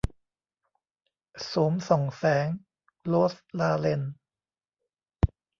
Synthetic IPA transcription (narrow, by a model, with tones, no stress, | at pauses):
so˩˦msɔ˨˩ŋsɛː˩˦ŋ | lo˦˥slaː˧le˧n